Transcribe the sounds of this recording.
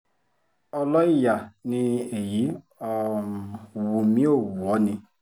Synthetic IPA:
ɔ˧lɔ˦i˦˨ja˨nĩ˧e˨ji˨˦ | ɔ˧˨ | wu˧mĩ˦o˦˨wu˨ɔ˨˦nĩ˧

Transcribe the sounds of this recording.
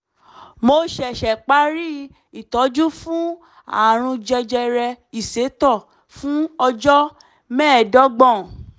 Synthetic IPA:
mo˧˦ʃɛ˨ʃɛ˨k͡pa˨˦ɾi˦ | i˨tɔ˨˦d͡ʒu˦fũ˦ | a̰˨ɾ̃ũ˧d͡ʒɛ˧d͡ʒɛ˧ɾɛ˧i˨se˨˦tɔ˦˨ | fũ˦ɔ˧d͡ʒɔ˦ | mɛ̃ː˦˨dɔ˨˦ɡ͡bɔ̃˦˨

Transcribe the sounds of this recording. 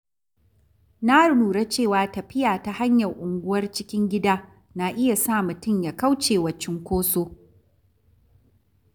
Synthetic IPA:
na˦˨nuː˨ɽa˦t͡ʃeː˦˨waː˨tɐ˨ɸɪ˦jaː˨ta˨ha˦ɲjɐ˨rʔʊ˨ŋɡʷʊ˦wɐ˦rt͡ʃɪ˦kʲɪ˦ŋɡʲɪ˦daː˦ | na˨ʔɪ˦ja˨sa˦˨mʊ˨tʊ˦mjaː˨ka˦wt͡ʃeː˨wɐ˨t͡ʃːɪ˦ŋkʷoː˦soː˦

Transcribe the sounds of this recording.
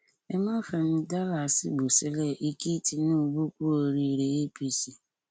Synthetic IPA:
e˦ma˦fe˨n̩˦da˦la˨sḭ˦ɡ͡bo˨si˦le˦˨ʔi˦ki˦ti˨nũ˦˨bu˦kʷu˦o˨ɾi˨ɾe˨e˦pi˦si˨

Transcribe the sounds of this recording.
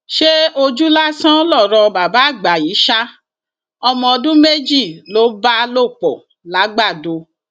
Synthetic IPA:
ʃe˦o˧d͡ʒu˦la˦sã˦lɔ˦˨ɾɔ˧ba˨ba˨˦˨ɡ͡ba˨i˨˦ʃa˦ | ɔ˧mɔ̃˧ɔ˧dũ˦me˦d͡ʒi˦˨lo˨˦ba˦lo˦˨k͡pɔ˨ | la˨˦ɡ͡ba˦˨do˧

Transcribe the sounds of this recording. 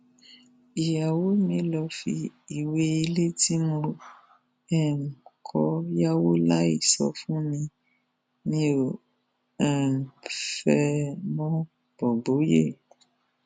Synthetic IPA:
i˨ja˨wo˦mĩ˧˦lɔ˧fḭ˧i˦˨we˦i˧le˦ti˦mõ˧ | ɛ˦˨ŋ̩˨kʰɔ˧˦ja˦wo˦la˦i˦˨sɔ̰˧fũ˦mĩ˧ | nĩ˧˦o˨ | ɛ˨fɛ˧mɔ̃˦ | b̥ɔ˨bo˨˦je˦˨

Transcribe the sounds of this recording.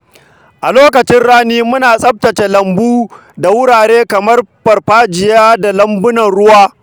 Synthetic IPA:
ʔa˨loː˦kɐ˨t͡ʃɪ˦nɽaː˦niː˦mʊ˦naː˨sʼɐ˦p̚tɐ˨t͡ʃe˨lɐ˨mbuː˦ | da˨wʊ˦ɽaː˨ɽeː˦kɐ˨mɐ˦rɸɐ˨rɸaː˦d͡ʒɪ˨jaː˦da˨lɐ˦mbʊ˦nɐ˨nɽʊ˦waː˦

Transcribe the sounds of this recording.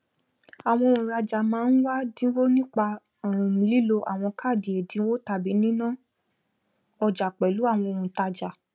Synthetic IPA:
a˨w̃ɔ̃˧o˧ɾũ˨ɾa˧d͡ʒa˨mãː˨˦n̩˦wa˦dĩ˨˦wo˦nĩ˦k͡pa˧˨ | ĩ˨ĩ˨˦li˦lo˧ʔa̰˨w̃ɔ̃˧ka˦˨di˨e˨dĩ˧˦wo˦ta˧bi˨˦nĩ˦nã˦˨ | ɔ˧d͡ʒa˨k͡pɛ˨lu˨˦a˦˨w̃ɔ̃˧o˧ɾũ˨ta˧d͡ʒa˨

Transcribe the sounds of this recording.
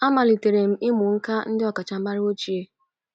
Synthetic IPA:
a˦ma˨li˨te˨ɾe˨m̩˨ɪ˦mʊ˨ŋ̩˦ka˦n̩˦dɪ˦ɔ˨ka˨t͡ʃa˨˦ma˦ɾi˦o˦t͡ʃi˨e˦

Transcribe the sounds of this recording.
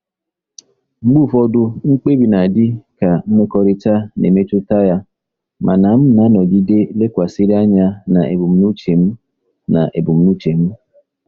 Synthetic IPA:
ŋ͡m̩˦ɡ͡bu˦˨fɔ˦dʊ˦ŋ͡m̩˦k͡pe˦bi˨na˨dɪ˦ka˨ŋ͡m̩˦me˦kɔ˦ɾi˦ta˦nḛ˨me˦tu˦ta˦ja˦ | mʔa˨na˨m̩˦na˦nɔ˨ɡi˦de˦le˦kʷa˨si˦ɾi˦a˦ɲa˦na˨ḛ˨bu˨m̩˦nu˦t͡ʃe˨m̩˦ | na˨ʔe˨bu˨m̩˨nu˦t͡ʃe˨m̩˦

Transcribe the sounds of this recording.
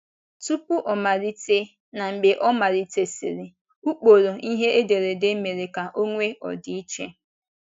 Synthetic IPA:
tu˦pu˦ʔɔ˨ma˨ɾi˦te˦ | na˨m̩˨be˨ʔɔ˦ma˨ɾi˦te˦sḭ˨ɾi˨ | u˦k͡po˨ɾo˨ʔi˦ɦe˦ʔe˦de˨ɾe˨de˦me˨ɾe˨ka˨ʔo˦ŋʷe˦ɔ̰˨di˨˦i˦t͡ʃe˦

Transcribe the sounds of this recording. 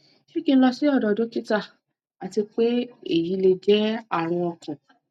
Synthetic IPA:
ʃe˦ki˧˦lɔ˧si˦ɔ˦˨dɔ˨dõ˨˦ki˦ta˦˨ | a˨ti˧k͡pe˦e˦˨ji˨˦le˧d͡ʒɛ˦a˦˨ɾ̃ũ˧ɔ˧kʰã˨

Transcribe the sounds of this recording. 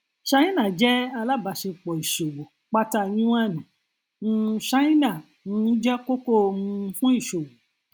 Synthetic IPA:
ʃa˧˦ĩ˦nã˦˨d͡ʒɛ˦a˧la˦˨ba˨ʃe˧k͡pɔ˨i˨ʃo˨wo˨ | k͡pa˦ta˧ɲĩ˦w̃a˦˨nĩ˨ | ũ˦ʃa˦ĩ˦nã˦˨ | nũ˨˦d͡ʒɛ˦ko˦ko˦˧mũ˧˦fũ˦i˦˨ʃo˨wo˨

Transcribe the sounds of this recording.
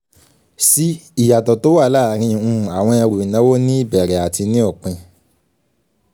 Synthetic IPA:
si˦i˦˨ja˨tɔ˨to˨˦wa˦˨˦la˦˨˦ɾ̃ĩ˧˦ũ˧˨a˨w̃ɔ̃˧ɛ˧ɾu˨i˨nã˨˦wo˦nĩ˦i˦˨bɛ˨ɾɛ˨˦a˨ti˧nĩ˦ɔ˦˨k͡pɛ̃˧

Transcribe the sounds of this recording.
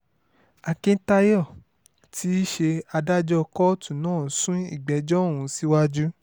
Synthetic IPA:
a˨kĩ˧ta˧jɔ˦˨ | tʰi˦ʃe˧a˧da˦d͡ʒɔ˧kɔ˦tũ˦˨nãː˦˨˦sũ˦i˦˨ɡ͡bɛ˨˦d͡ʒɔ̃˦˨ũ˧˦si˦wa˦d͡ʒu˦

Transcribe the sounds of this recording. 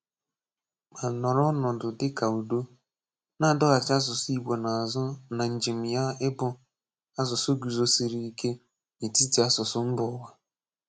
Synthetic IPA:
ma˨nɔ˨ɾɔ˦nɔ˨dʊ˨dɪ˦ka˨u˨do˦ | na˦˨dɔ˦ɣa˨t͡ʃa˦s̬ʊ˨sʊ˦i˦ɡ͡bo˨na˨zna˨n̩˨d͡ʒi˨m̩˨ja˦ɪ˦bʊ˦ | a˦zʊ˨sʊ˦ɡu˨zo˦si˨ɾi˨i˦kʰe˦ | ne˨ti˦ti˨˦a˦sʊ˨sʊ˦m̩˦bʊ˨˦wa˦

